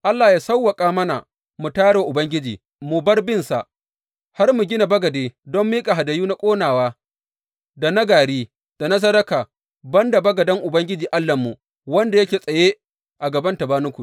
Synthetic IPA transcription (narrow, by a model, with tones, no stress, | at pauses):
ʔa˦lːaː˨jaː˦sɐ˦wːɐ˨kʼaː˦mɐ˦na̰˨ | mu˨taː˦ɽe˨ʔʊ˨bɐ˦ŋɡʲɪ˦d͡ʒiː˨ | mu˨bɐ˦rbɪ˦nsa˨ʔ | ha˦rmu˨ɡʲɪ˦na˨bɐ˦ɡɐ˨deː˨dɔ˦mːiː˦kʼa˨ɦa˨dɐ˨juː˦na˦kʷʼoː˦naː˨waː˦ | da˨nɐ˦ɡaː˨ɽiː˦ | d̥a˨na˦s̬ɐ˦dɐ˦kaː˨ | bɐ˦nda˨bɐ˦ɡɐ˨dɐ˦ŋʔʊ˨bɐ˦ŋɡʲɪ˦d͡ʒiː˨ʔa˦lːɐ˨mːu˨ | wɐ˦nda˨jɐ˦kʲeː˨sʼɐ˨jeː˦ | ʔa˨ɡɐ˨bɐ˦ntɐ˨baː˦nʊ˦kʷu˨ʔ